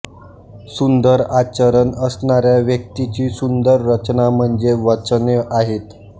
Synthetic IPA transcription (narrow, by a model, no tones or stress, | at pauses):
sund̪əɾat͡ɕəɾənəsnaɾjaʋjək̚t̪it͡ɕiːsund̪əɾːət͡ɕnam̤əɳd͡zeʋət͡sneʔaɦet̪